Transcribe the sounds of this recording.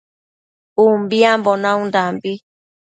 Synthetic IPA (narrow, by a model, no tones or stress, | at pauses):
umbiambɔnãũndambi